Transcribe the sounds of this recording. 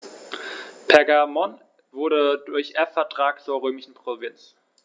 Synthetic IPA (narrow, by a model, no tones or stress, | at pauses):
pʰɛɐɡamɔn | vʊɐɾədʊɐçʔɛɐfɛɐtʁ̥aːk̚t͡suːɐʁøːmɪʃn̩pʁ̥ovɪnt͡s